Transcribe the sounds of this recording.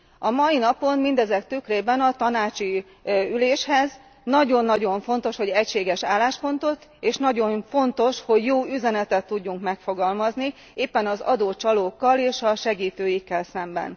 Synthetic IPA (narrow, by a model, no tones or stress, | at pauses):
ɒmɒjinɒpo̞nmind̪ɛzɛkt̪ykreːbɛnɒt̪ɒnaːt͡ʃi | yleːʃhɛz | nɒɟo̞nːɒɟo̞ɱfo̞n̪t̪o̞ʃho̞ɟɛcʃeːɡɛʃaːlːaːʃpo̞nt̪o̞t̪eːʃnɒɟo̞nfo̞nt̪o̞ʃho̞ɟjoːyzɛnɛt̪ɛt̪ːuɟːuŋkmɛkfo̞ɡɒlmɒzni | eːpːɛnɒzɒ̰d̪oːt͡ʃɒloːkːɒleːʃɒʃɛɡiːt̪øːjikːɛlsɛmbɛ̰n